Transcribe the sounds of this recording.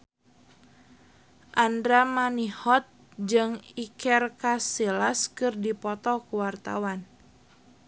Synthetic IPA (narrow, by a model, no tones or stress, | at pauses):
ʔandɾamanihɔt̪̚d͡ʒɨŋikɛrkasilaskɨrdipɔt̪ɔkuwart̪a̰wan